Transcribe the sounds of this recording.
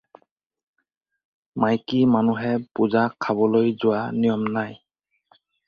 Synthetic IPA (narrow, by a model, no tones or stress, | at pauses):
majkimanuɦɛpuzakʰabɔlojzʊwanijɔmnaj